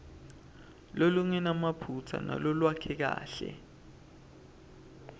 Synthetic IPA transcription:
loluŋɛnamapʰutʰa̰na̰lɔlwakʰɛk̬a̰ːɬɛ̰

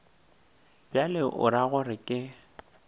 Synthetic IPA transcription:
b̥jalɪʔʊ̰ɾaɣʊrɪkʼɪ

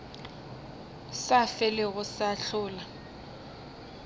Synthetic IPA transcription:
safɛlɪɣʊsaɬʊːla

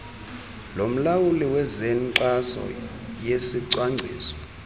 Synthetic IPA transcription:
lom̩lawuliwɛzenǀasɔ̰ | jesiǀwaŋ͡ǀʱḭːsɔ̥

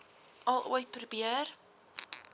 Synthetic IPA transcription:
ɐlˠuəj̚prubiər

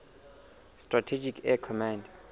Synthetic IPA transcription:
stratʰed͡ʒikʰɛkʰɔmãnd

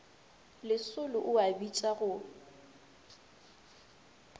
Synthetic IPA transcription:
lɪsʊlʊʔʊabit͡ʃʼaɣʊ

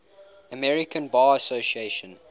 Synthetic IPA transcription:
əmɛɹɪkə̃nbaəsoʃieɪʃə̃n

